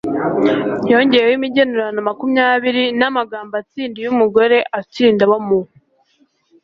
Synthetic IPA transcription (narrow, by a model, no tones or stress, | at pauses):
jo̞ɲɟe̞jewimiɟenuɾanamakumɲaːβiɾinamaɡaːmbat͡siːndijumuɡo̞ɾe̞ʔat͡siːndaβamu